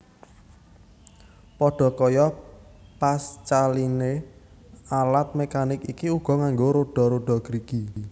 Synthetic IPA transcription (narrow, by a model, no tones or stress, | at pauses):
pɔɖ̥ɔ̤kɔjɔpast͡ʃaline | alat̪̚mekanɪkikiuɡ̥ɔ̤ŋaŋɡoɾoɖ̥ɔ̤ɾoɖ̥ɔ̤ɡ̥ɾiɡ̥i